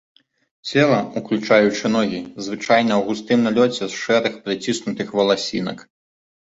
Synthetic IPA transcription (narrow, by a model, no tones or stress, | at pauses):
t͡sʲɛlˠɐuklʲut͡ʂajut͡ʂɨnɔɣʲizvɨt͡ʂajnɐwɣust̪ɨmnalʲɔt͡sʲɛsʂɛɾɨxpɾɨt͡sʲisnut̪ɨxvɐlˠasʲḭnɐk